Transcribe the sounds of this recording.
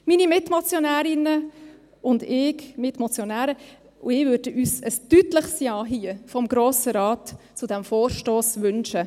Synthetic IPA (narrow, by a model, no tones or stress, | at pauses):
miːnimɪtmɔt͡sjɔnæːɾɪnə | ʊndɪːkmɪtmɔt͡sjɔnæːɾə | ʊ̰ɪːʋøːɾd̥əʔyːsəstytləχsjɑːɦiəfɔmɡɾoːsəɾɑːt | t͡sʊd̥ɛmfoːrʃtoːsʋʏnʃə